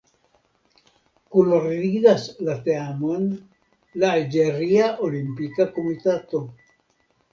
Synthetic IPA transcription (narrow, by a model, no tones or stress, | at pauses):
kuloriðaslat̪eamon | laːld͡ʒeɾiaʔolimpikakomit̪at̪o